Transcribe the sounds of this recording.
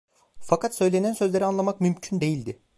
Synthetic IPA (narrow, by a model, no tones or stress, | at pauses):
fakʰat̪sø̞jlʲe̞nænsø̞zlʲeɾianlˠamakmymcʰynd̪e̞jilʲd̪ɪ